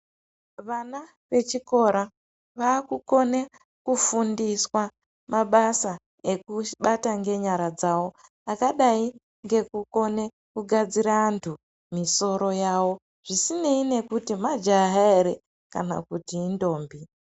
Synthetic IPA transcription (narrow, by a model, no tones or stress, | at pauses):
ʋana | ʋe̞t͡ʃiko̞ɾa | ʋaːkuko̞ne | kufundiswa | maɓasa | e̞kuɓataŋɡe̞ɲaɾad͡zawo̞ | akaɗai | ŋɡe̞kuko̞ne̞ | kuɡʱad͡ziɾaːntʰu | miso̞ɾo̞jawo̞ | ʐ̥isine̞ine̞kutimad͡ʒaɦaeɾe̞ | ka̰na̰kutiːndo̞ːmbi